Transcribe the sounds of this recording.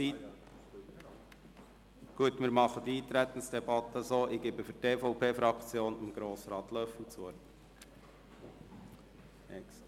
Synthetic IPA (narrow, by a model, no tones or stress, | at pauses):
i | ɡ̥uət̪mɪːɾmɑχəd̪iiːt̪ɾɛt̪ən̩sd̥ɛbɑt̪ːəsoːʔɪɡɪbəfyɾteːfɔʊpʰeːfɾɑkt͡sjoːnɪmɡ̥ɾoːsɾɑːt̪lœfl̩t͡soɾ | ɛks